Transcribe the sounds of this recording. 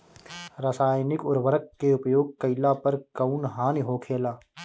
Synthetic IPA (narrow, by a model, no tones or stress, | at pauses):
ɾasaːjnɪkʊɾʋəɾəkːeʊpjoːɡ̚kəɪlapɐɾkəʊnɦaːniɦoːkʰeːlaː